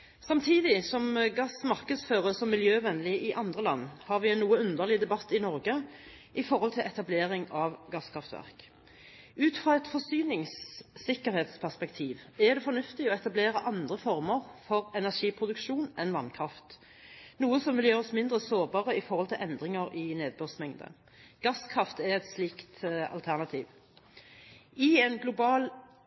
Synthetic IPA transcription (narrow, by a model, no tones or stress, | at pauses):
sɑmt̪ʰiːd̪ɪsɔmɡɑsmɑʁkəd̪sføːʁəsɔmːɪljøːʋɛnlɪɪʔɑnd̪ʁəlɑ̰nːhɑːʁʋɪɛnnuːəʉnd̪əʁlɪd̪ɛbɑt̪ːɪnɔɾɡə | ʔɪfɔʁhɔlt̪ʰɪlʔɛt̪ɑbleːʁɪŋɑʋɡɑskʰʁɑft̪ʋæ̰ʁk | ʔʉːt̪fʁɔɛt̪fɔsyːnɪŋsːɪkəɾheːt̪spʰæspɛkt̪ʰiːʋɛd̪ɛfɔnʉft̪ɪɔɛt̪ɑbleːɾəʔɑnd̪ʁəfɔʁməʁfɔʁɛnæʂiːpʰʁʊd̪ʉkʃuːnɛnʋɑnkʰʁɑft̪ | nuːəsɔmʋɪljøːʁɔsmɪnd̪ʁəsoːʁbɑːʁəɪfɔʁhɔlt̪ʰɪlʔɛnd̪ʁɪŋəɾɪneːd̪̚bøːʁsmɛŋd̪ə̰ | ɡ̥ɑskʰʁɑft̪ɛʁɛt̪sliːkt̪ɑ̰lt̪ʰæʁnɑt̪ʰiːʋ | ɪɛːnɡlʊbɑːl